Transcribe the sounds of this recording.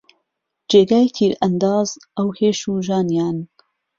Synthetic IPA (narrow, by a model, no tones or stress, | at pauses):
d͡ʒeːɡaːjt̪ʰiːɾʔɐnd̪ɑːzʔɐwheːʃuːʒaːnjaːn